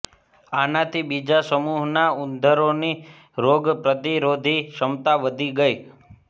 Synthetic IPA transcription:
anat̪ʰibid͡ʒasəmuɦnaʊnd̪ʱəɾoni | ɾoɡpɾəd̪iɾod̪ʱiʃəmt̪aʋəd̪ʱiɡəi

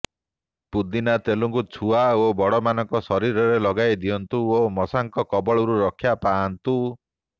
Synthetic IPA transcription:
pud̪inat̪eluŋkut͡ʃʰuaobɔɽɔmanɔŋkɔsɔɾiɾɔɾelɔɡajd̪ijɔnt̪uomɔsaŋkɔkɔbɔɭɔɾuɾɔkʰjapaːnt̪u

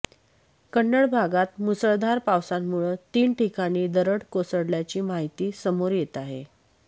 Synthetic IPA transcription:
kəɳːəɽbʱaɡat̪musəɭd̪ʱaɾpawsamːuɭət̪iːnʈikaɽ̃iːd̪əɾəɽkosəɽljat͡ɕiːmaɦit̪iːsəmoɾjet̪aɦḛ

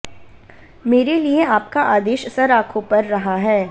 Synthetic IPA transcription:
meːɾelieaːp̚kaʔaːd̪eːʃsɐɾaːkʰõpɐɾːɐɦaɦɛː

